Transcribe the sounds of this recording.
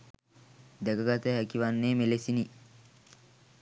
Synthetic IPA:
d̪ɐɡɐɡɐt̪eɦɐkiʋɐnːeːmelesini

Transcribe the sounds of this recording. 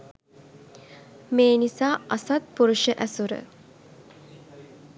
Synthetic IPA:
meːnisaːasat̪̚puɾuʃəʔæsuɾə̰

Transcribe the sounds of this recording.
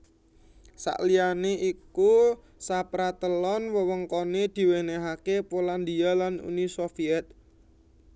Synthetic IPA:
sa̰ʔlijaneʔiku | sapɾat̪əlɔnwəwəŋkoned̪̥i̤weneɦakepoland̪ialanṵnisofiɛt̪̚

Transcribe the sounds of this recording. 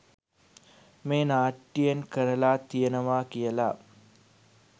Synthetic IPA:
meːnaːʈːijenkəɾəlaːt̪ijənəʋaːkijəla

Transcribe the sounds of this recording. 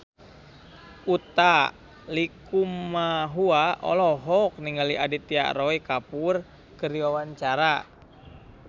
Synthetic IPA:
ut̪a | likumaɦuaʔɔ̰lɔɦɔk̚niŋɡaliʔadit̪ia̰ʔɾɔikapur | kəɾiwawaɲt͡ʃaɾa

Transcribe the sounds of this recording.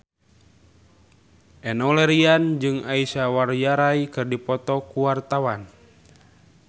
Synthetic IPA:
ʔɛnɔlɛɾiand͡ʒɨŋaisawarjaɾajkɨrdipɔt̪ɔkuwart̪awan

